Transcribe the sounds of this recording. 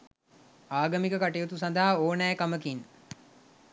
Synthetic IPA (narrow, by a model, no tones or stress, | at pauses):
aːɡəmikəkaʈejot̪us̬and̪aɦaoːnæjkaməkin